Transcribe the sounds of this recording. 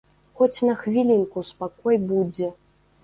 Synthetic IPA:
xɔt͡sʲnɐxvʲilʲinkuspakɔjbud͡zʲɛ

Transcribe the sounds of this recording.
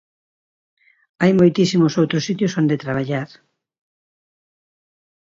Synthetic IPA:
ajmojt̪isimʊsowt̪ɾʊsit̪josond̪et̪ɾaβ̞aʎaɾ

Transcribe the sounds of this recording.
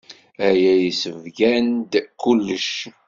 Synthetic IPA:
æjæjisəvɡænd̪kːulːəʃ

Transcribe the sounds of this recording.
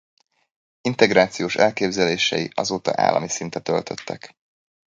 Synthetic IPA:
int̪ɛɡɾaːt̪sijoːʃɛlkeːbzɛleːʃɛjiʔɒzoːt̪ɒ̰ʔa̰ːlʔɒ̰misint̪ɛt̪ølt̪ʰø̞t̪ːɛk

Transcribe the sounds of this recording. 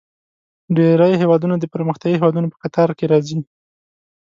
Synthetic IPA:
ɖeɾəjɦewɑd̪unad̪əpəɾməxt̪jɑɡiɦewɑd̪unopə̥kat̪ɑɾkeɾɑzi

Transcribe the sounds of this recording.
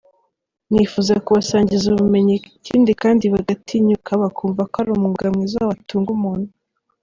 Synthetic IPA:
nifuzakuβasaːɲɟizuβume̞ɲiciːndikaːndiβaɡatʰiɲukʰaβakʰuːɱvakohaɾumuŋɡamŋizaβatuːŋɡumuːn̥u

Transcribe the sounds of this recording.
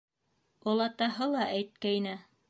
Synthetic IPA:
ŏlˠɑt̪ɑɦɤlˠɑʔæjt̪̚kæjnæ

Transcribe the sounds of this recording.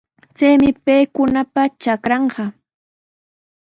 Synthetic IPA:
t͡sajmɪpejkʊnapat͡ʃakɾɑɴɢɑ

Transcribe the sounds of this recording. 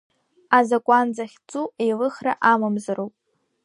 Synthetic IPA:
azakʷʼand͡zaχʲt͡sʼuejlɨχra̰ʔamamzarowpʼ

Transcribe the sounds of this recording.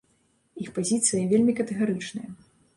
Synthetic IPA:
ixpazʲit̪sɨjɐvʲelʲmʲikɐt̪ɛɣaɾɨt͡ʂnɐjɐ

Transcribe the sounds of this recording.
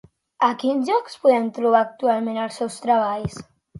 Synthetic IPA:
akinzʒɔkspuðɛnt̪ɾuβ̞aːk̚t̪ualˠmẽnəlˠsɛwst̪ɾaβ̞aʎs

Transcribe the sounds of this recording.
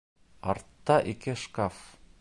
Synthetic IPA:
ɒɾt̪ːɑʔikɘʃkaf

